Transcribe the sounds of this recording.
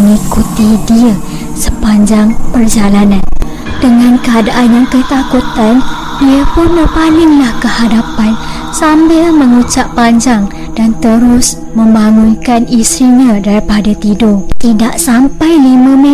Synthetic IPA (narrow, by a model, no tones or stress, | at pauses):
ŋikut̪idiə | səpaɲd͡ʒaŋpərd͡ʒalanãn | dəŋãnkəadaʔanjaŋkət̪akut̪an | biapʊnbərpalɪŋlahkəhadapan | sambɪlmə̃ŋut͡ʃapːaɲd͡ʒaŋ | d̥ant̪əɾʊs | mə̃mbaŋunkanisɾiɲãdaɾipadat̪idɔt̪idaʔsampajlimãmẽ